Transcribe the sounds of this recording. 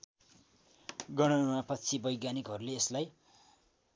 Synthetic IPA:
ɡʌɽ̃ʌmapʌtːt͡sʰibʌjɡjanikɦʌɾuleːslaj

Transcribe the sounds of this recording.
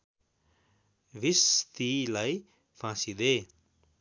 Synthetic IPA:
visst̪ilaj | fãnsid̪e

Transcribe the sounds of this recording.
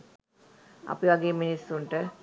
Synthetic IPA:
ɐ̰piʋaɡeːminisːuɳʈə

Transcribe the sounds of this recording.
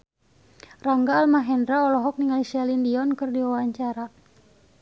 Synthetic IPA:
raŋɡaːlmaɦɛndɾaɔlɔɦɔk̚niŋalisialindiɔnkɨrdiwawaɲt͡ʃaɾa

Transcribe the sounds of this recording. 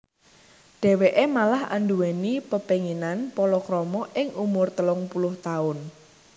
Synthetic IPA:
ɖ̥ɛ̤weʔemalaha̰nduwenipəpeŋinanpɔlɔkɾɔmɔʔɪŋumʊrt̪əlʊŋpulʊht̪aʊn

